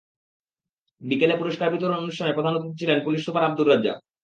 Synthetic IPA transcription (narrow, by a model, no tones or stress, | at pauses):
bikelepuɾoʃkaɾbit̪oɾoonuʃtʰanepɾod̪ʱanot̪it͡ɕʰilenpuliʃsupaɾab̚d̪uɾad͡ʑa̰